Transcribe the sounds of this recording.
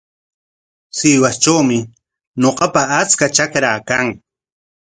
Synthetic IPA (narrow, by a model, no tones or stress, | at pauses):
sɪwast͡ʃawmɪ | ɲoqɑpaat͡skat͡ʃakɾaːkaŋ